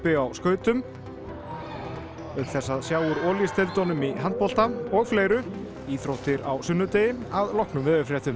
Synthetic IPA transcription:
pɪawskœːɥt̪ʏm | œθɛsːaðsjaːwʏɾɔːljɪst̪ʰɛlt̪ɔnʏmiɦant̪̚pɔl̥t̪aɔɣfleːjɾʏ | iːθɾowht̪ɪɾa̰wsʏnːʏt̪ejɪaðlɔhknʏmvɪðʏfɾjɛht̪ʏm

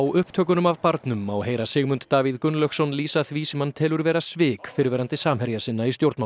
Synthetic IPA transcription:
wʏhpt̪ʰœːkʏnʏmavpaɾt̪nʏmːawɦeːjɾasɪːɣmʏnt̪t̪aːviðkʏnlœksɔnliːsaθviːsɪmant̪ʰɛːlʏɾvɛːɾasvɪːkfɪɾvɛːɾant̪ɪsaːmhɛɾjasɪnːaist̪jowɾt̪ma

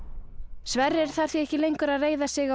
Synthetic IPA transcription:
svɛrːɛɾ̥θaɾ̥θiɛhcɪlejŋkʏɾaðreːjðasɪɣa

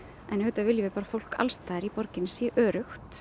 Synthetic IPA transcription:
ʔɛnhʏːt̪avɪljʏvɪpaːɾafowl̥ka̰lst̪aːðɪɾipɔɾcɪnsiʔœːɾʏxt̪

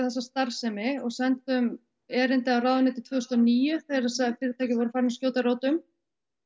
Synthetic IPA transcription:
θɛs̬ːast̪aɾ̥sɛmɪɔɣsɛnt̪ʏm | ɛːɾɪnt̪ɪawraːwðʏnɪːt̪ɪt̪ʰvœːðʏst̪ɔniːjʏθejɾasaðfɪːɾɪt̪ʰajcɪvɔɾʏfaːɾɪnscjoːwt̪aɾoːwt̪ʏm

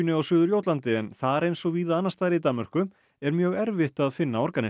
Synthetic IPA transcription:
nʏawsʏːðʏɾjoːwt̪lant̪ɪɛnθaɾejnsɔɣviːðaaːnːast̪aːðɾit̪anmœr̥kʏ | ɛɾmjœːɣɛɾvɪht̪aðfɪnːaɔɾkanɪ

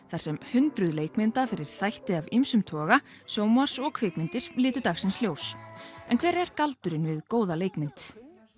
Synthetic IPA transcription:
θaɾ̥sɛmhʏnt̪ɾʏðleːjkmɪnt̪afɪɾɪɾ̥θajht̪ɪavimsʏmt̪ʰɔːɣa | sjoːwmaɾ̥sɔɣkʰvɪːkmɪnt̪ɪɾ̥lɪːt̪ʏɾt̪axsɪnsljoːwsɛnkʰvɛːɾɛɾ̥kalt̪ʏɾɪnvɪðkoːwðaleːjkmɪnt̪

